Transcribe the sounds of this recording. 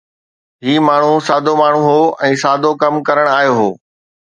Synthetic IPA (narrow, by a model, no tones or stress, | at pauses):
ɦiːmaːɳ̤̃usaːd̪ʱomaːɳ̤ũɦoːɛ̃ːsaːd̪ʱokɐmkɐɾəɽ̃aːjoɦoː